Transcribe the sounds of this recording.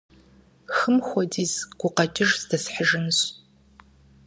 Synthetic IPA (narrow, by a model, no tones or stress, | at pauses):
xɨmxʷɔdiːzɡ̥ʷʊqɐtʰʼɪʒzdɐsħəʒɪnɕ